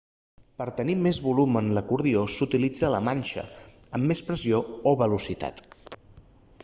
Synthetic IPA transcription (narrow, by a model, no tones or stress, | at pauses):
pəɾt̪ənimezβulumənləkuɾðiosut̪ilid͡zələmanʲʃə̰əmːespɾəziooβəlusit̪a̰t̪